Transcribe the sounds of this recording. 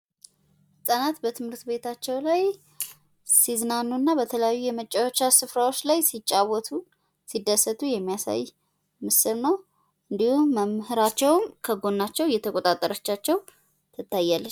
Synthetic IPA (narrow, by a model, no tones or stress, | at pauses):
hɨsʼanat̪bət̪ʰɨmhɨɾt̪be̞t̪ʰat͡ʃːɛwlaj | sizɨnanunːabət̪ʰələjajːujɛmət͡ʃʼːawot͡ʃːasɨfɾawo̞t͡ʃːlajsit͡ʃʼːawɔt̪ʰu | sid̪ːəsːət̪ʰʼujɛmːijasa̰j | mɨsɨlnəw | ʔɨnd̪ihuːəmhɨɾat͡ʃːɛwmkʰəɡo̞nːat͡ʃːɛwjɛt̪ʰəkʼo̞t̪ʼat̪ʼːəɾət͡ʃːat͡ʃːɛw | t̪ʰɨt̪ʰːajːalːə